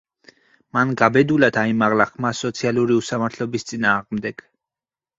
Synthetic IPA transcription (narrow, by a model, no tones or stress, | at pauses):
manɡabɛd̪ulad̪aimaʁlaχmasɔt̪sʰialuɾiusamaɾt̪ʰlɔbist̪sʼinaːʁmd̪ɛɡ̥